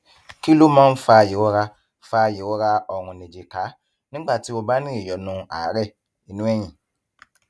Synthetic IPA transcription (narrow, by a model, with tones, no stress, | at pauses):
ki˦lo˦mã˦n̩˦fa˨˦˨je˨wo˦ɾa˦ | fa˦je˨wo˦ɾa˦ɔ˨ŋũ˨nẽ˨d͡ʒe˨ka˨˦ | nĩ˦ɡ͡ba˦˨ti˦o˦ba˦nĩ˦e˨jɔ˨nũ˨˦a˨˦ɾɛ˦˨ | i˨nũ˦ɛ˦ɲ̃ĩ˨